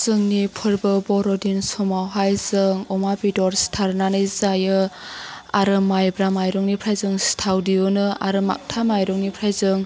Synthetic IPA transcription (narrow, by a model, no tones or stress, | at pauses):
z̥ɯŋnipʰɯɾbɯbɔɾɔdinsɔmawɦajzɯŋɔmabidɔɾstʰaɾnanɯjzajɯ | aɾɯmajbɾamajɾɔŋnipʰɾajzɯŋstʰawdiɔnɯaɾɯma̰k̚tʰamajɾɔŋnipʰɾajzɯŋ